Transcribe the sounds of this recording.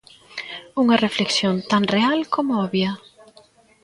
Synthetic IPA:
uŋɐrefleksjõnt̪anrealkomʊɔβjɐ

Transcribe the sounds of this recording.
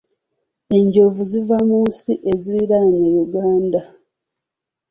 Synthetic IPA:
e̞ɲɟo̞vuzivamuːsiʔe̞ziɾiɾanejuɡaːnda

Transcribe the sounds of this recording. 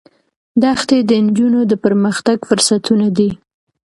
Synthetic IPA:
d̪axt̪ed̪ənd͡ʒunod̪əpəɾməxt̪aɡfʊɾsat̪ʰunad̪i

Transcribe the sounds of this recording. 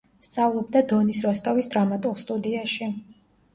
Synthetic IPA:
st̪sʼavlˠɔbd̪ad̪ɔnisɾɔst̪ʼɔvisd̪ɾamat̪ʼulˠst̪ʼud̪iaʃi

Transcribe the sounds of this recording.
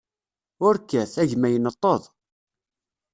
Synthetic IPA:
ʊɾkːæθæʝmæjənət̪ˤːəðˤ

